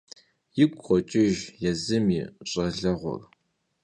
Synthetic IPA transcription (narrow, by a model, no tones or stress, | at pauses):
jɪkʷʼχʷɔt͡ʃʼɪʒjɛzɨmiːɕʼɐɮɐʁʷɔ̰r